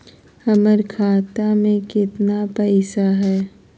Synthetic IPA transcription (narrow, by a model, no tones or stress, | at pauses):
hɐməɾkʰaːt̪amẽkɪt̪napɛːɪsaɦɛː